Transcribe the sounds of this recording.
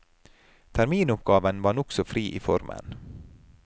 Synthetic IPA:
t̪ʰæɾmiːnʊpɡɑːʋənʋɑːnɔksɔfɾiːʔḭːfɔ̰ɾmʔə̰n

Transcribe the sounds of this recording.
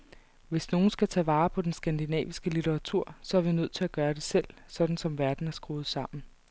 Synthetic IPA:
ʋe̝sno̝ːn̩sɡ̥æt͡sʰɛ̰ːʋɑ̈ːpʰɒ̽d̥ensɡ̥ænd̥inɛ̰ːʋisɡ̥əlit͡seʁɑ̈t͡sʰuɐ̰sɒ̽æɐʋinøð̰ˠt͡sʰe̝læɡ̥ɶːɐɾ̥e̝sel̰sɒ̽d̥n̩sɒ̽mʋæɐd̥n̩æsɡ̥ʁuːð̞̩ˠsɑ̈m̰n̩

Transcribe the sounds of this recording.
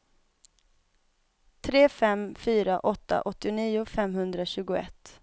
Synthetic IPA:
t̪ʰɾeːfɛmfyːɾaʔɔt̪ːa̰ʔɔt̪ːɪʊniːʊfɛmhɵnd̪ɾaɕʉ̟ːɡʊɛ̰t̪ː

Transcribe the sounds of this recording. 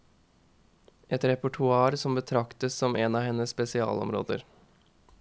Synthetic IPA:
ʔɛt̪ɾɛpʊʈʰʊɑːɾsɔmbət̪ʰɾɑkt̪əssɔmʔeːnɑːhɛnəsspɛsɪɑ̰ːlɔ̰mɾo̰ːd̪ə̰ɾ

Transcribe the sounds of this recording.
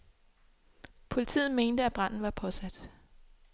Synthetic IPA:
pʰo̝lit͡sʰḭːð̩ˠme̝ːnd̥əæb̥ʁɑn̰n̩ʋɑ̈pʰɒ̽sæd̥

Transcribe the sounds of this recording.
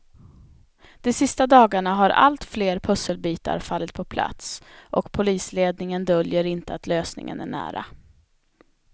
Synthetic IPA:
d̪̥ɛsɪst̪ad̪ɑːɡaɳaɦaɾa̰lt̪fleːɾpʰɵsəlbiːt̪a̰ɾfalːət̪̚pʰɔpʰla̰t̪sʔɔkpʰʊliːsleːd̪nɪŋənd̪œljəɾɪnt̪əat̪løːsnɪ̰ŋə̰næ̰ɳæ̰ːɾa̰

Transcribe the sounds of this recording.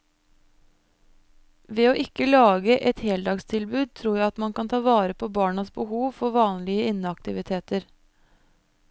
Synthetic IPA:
ʋeːoːʔɪkəlɑːɡəʔɛt̪heːld̪ɑːɡst̪ʰɪlbʉːd̪̚t̪ʰɾuːjæɪɑt̪mɑnkʰɑnt̪ʰɑːʋɑːɾəpʰoːbɑːɳɑsbəhuːʋfɔʋɑːnlɪəɪnːəɑkt̪ɪʋɪt̪ʰeːt̪əɾ

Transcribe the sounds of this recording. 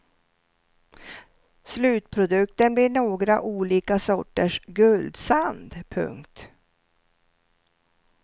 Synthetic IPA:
slʉ̟ːt̪̚pʰɾʊd̪ɵkt̪ənbliɳoːɡɾa̰ʔuːliːkasɔʈːəʂɡɵld̪sand̪pʰɵ̰ŋkt̪

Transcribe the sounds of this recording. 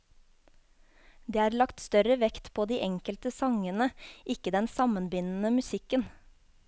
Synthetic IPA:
d̪iːɑːɾlɑkt̪st̪œɾəʋɛkt̪pʰoːd̪iːʔɛŋkəlt̪əsɑŋənəʔɪkəd̪ɛnsɑmənbɪnn̩əmʉsɪkən

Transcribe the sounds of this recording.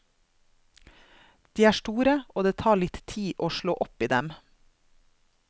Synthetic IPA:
d̪̥iːæːʃʈuːɾəʔoːd̪eːt̪ʰɑːɭɪt̪t̪ʰiːʔoːʃɭoːʔɔpiːd̪ɛm

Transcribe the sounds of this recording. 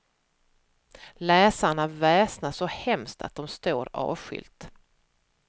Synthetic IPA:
lɛːsaɳavɛːsnaʂɔhɛmst̪ʰat̪̚d̪ɔmst̪oːɾɑ̰ːvɧʏ̰lt̪

